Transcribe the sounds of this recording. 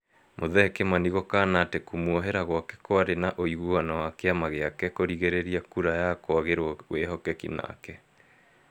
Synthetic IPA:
mʔoðɛkemaniɣɔkaːnatekumwɔɦeɾaɣwakɛ̥kwaɾenaʔoiɣuanawakeamaɣeakɛkoɾiɣeɾeɾiakuɾajakwaɣeɾwɔweɦɔkɛkḭna̰kɛ

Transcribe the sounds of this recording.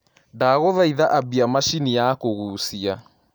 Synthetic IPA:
daɣoðaiðaʔabiamaʃinijakoɣuːsia

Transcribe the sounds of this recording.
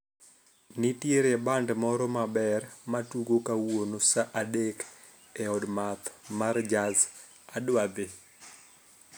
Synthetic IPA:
nitjeɾɛbandmɔɾɔmabɛrmatuɡokawonosaʔadek | ɛɔdmat̪mard͡ʒaz | adwad̪ɪ

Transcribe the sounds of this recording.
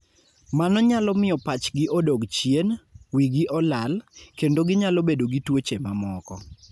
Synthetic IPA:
manɔɲalɔmɪjɔpat͡ʃɡɪʔodoɡt͡ʃjenwiɡɪʔɔlalkendoɡɪɲalɔbedoɡitwot͡ʃemamɔkɔ

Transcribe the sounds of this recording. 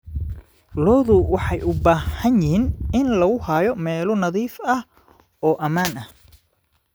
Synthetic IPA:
lɔːðʊwɑħɑjʔʊbaːhɐnjɪhiːnɪnlɐɣʊhaːjɔmɛːlʊnɐðiːfɐh | ɔːʔɐmaːnɐh

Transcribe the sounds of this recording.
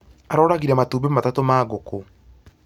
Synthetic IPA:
aɾɔːɾaɣiɾɛmatuːbematatomaːɣoko

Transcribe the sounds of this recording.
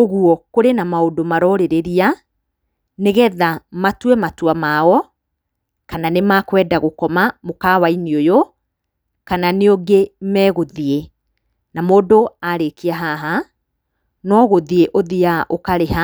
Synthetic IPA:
oɣuɔkoɾenamaodomaɾɔɾeɾeɾia | neɣɛðamatwɛmatwamaɔ | kananemakwɛːdaɣokɔmamokaːwainiojo | kananeoŋɡemɛːɣoðie | namoːdoaɾekiaɦaɦa | nɔɣoðieʔoðiaʔokaɾeha

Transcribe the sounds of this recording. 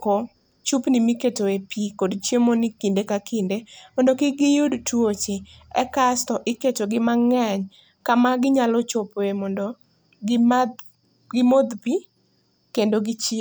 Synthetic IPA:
ko | t͡ʃupnɪmiketoepikodt͡ʃjemonɪkindekakindemɔndokɪɡɪjudtwot͡ʃeɛ̰kastɔʔɪketoɡɪmaŋɛɲ | kamaɡɪɲalɔt͡ʃopemɔndo | ɡɪmod̪pi | kendoɡɪt͡ʃi

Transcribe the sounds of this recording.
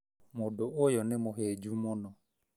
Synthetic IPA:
mʊdʊʊjɔnɪmʊɦed͡ʒumʊnɔ

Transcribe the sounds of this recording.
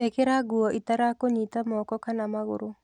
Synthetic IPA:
ekɪɾaɡʊɔʔit̪aɾakoɲit̪amɔkɔkanamaɣʊ̰ɾʊ

